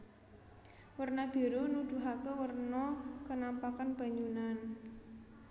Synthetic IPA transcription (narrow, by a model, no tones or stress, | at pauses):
wərnab̥i̤ɾonud̪̥ṳɦakəwərnɔkənampakanb̥a̤ɲd͡ʒunan